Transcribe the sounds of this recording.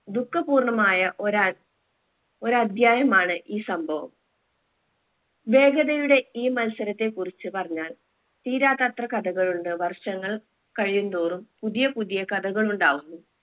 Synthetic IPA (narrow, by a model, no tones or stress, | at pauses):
d̪ukːɐpuːrɳɐmaːjɐʔɾa | o̞ɾɨɐd̪ʱjaːjɐmaːɳɨʔiːsɐmbʱɐʋɐ̰m | be̞ːɡɐðɐjuɽe̞iːmɐnɐsɐɾɐt̪ːe̞kurit͡ɕːɨpɐrɐɲːaːl | t̪iːɾaːt̪at̪rɐkɐd̪ɐɣɐɭuɳɖɨʋɐrʂɐŋːɐɭ | kɐɻijund̪uːrumpuðijɐpuðijɐkɐd̪ʱɐɣɐɭuɳɖaːɣunːu